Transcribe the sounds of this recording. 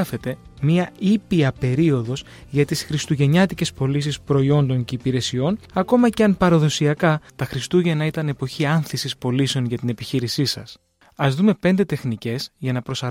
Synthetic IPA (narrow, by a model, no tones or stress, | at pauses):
ɐfe̞t̪e̞miɐipiɐpe̞ɾio̞ðo̞z | ʝɐt̪isxɾist̪uʝe̞ɲɐt̪ice̞spo̞lisispɾo̞io̞nd̪o̞nce̞ipiɾe̞sio̞nɐko̞mɐce̞ɐnpɐɾɐðo̞siɐkɐt̪ɐxɾist̪uʝe̞nɐit̪ɐne̞po̞çiɐnθisispo̞lise̞o̞nʝɐt̪inepiçiɾisisɐ̰s | ɐzðume̞pe̞nd̪e̞t̪e̞xnice̞sʝɐnɐpɾo̞sɐ